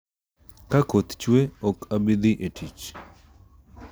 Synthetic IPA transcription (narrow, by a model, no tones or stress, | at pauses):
kakot̪t͡ʃweɔkabid̪iʔeʈʰit͡ʃ